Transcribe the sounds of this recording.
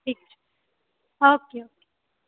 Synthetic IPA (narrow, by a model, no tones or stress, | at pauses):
ʈiːk̚t͡ʃʰ | oːkeoke